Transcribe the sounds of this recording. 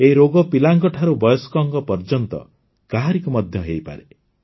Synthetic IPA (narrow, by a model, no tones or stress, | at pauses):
eɾoɡɔpilaŋkɔʈʰaɾubɔjɔskɔŋkɔpɔɾd͡ʒɔnt̪ɔ̰ | kaɦaɾikumɔd̪ʱjɔɦejpa̰ɾe